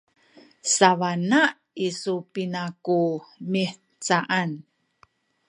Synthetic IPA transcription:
savana | isupinakumiħ | t͡saʔan

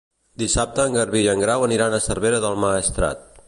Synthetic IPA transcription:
d̪isap̚t̪əːŋɡəɾβiʒəŋɡɾawəniɾanəsərβeɾəðəlˠmaːst̪ɾa̰t̪̚

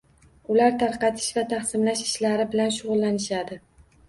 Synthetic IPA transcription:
ʊlaɾt̪ʰaɾqɑt̪ʰɪ̥ʃvat̪ʰɑχsɪmlaʃɪʃlaɾɪbɪlanʃʊʁʊlˠːanɪʃad̪ɪ

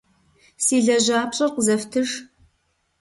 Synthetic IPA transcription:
siːɮɐʑaːpɕʼɐrqəzɐftʰɨʂ

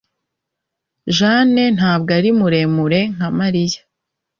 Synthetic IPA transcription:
ʒaːne̞n̥haːb̚ɡaɾimuɾe̞ːmuɾe̞ŋ̥amaɾijḁ

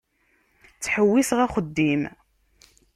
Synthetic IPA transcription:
t͡sːħəwːisʁæχəd̪ːim

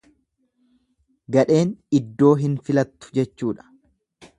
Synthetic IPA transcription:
ɡɐᶑe̞ːnɪd̪ːo̞ːɦɪnfɪlɐt̪ːʊ̥d͡ʒɛt͡ʃːuːᶑɐ̥

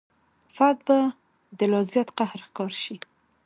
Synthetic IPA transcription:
fad̪̚ba | d̪əlɑzjɑt̪qahɾxkɑɾʃi

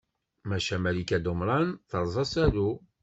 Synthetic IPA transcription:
mæʃæmælikæd̪omɾˤɑnθəɾˤzˤɑsæɾu

